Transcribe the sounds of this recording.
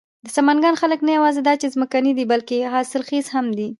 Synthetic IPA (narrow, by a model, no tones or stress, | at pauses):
d̪əsamɑnɡɑnxaləknajawɑzed̪ɑt͡ʃezməkanid̪ibalkeɦɑsɪlxizhamd̪i